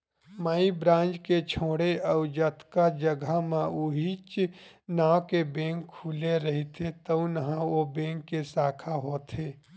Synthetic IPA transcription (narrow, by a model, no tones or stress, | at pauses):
maːibɾãːnd͡ʒket͡ʃʰoːɽeɔːɾd͡ʒət̪kad͡ʒəɡʱamãuɦit͡ʃnaːwkebẽːŋkʰːuːleɾɐɦit̪ʰet̪ɐũnɐɦãobẽːŋkːesaːkʰaɦoːt̪ʰeː